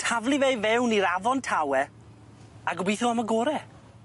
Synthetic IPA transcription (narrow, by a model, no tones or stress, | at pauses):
tʰavlˠivevɛwniɾavɔntʰawɛ | aɡʊbiθuamaɡoːɾɛ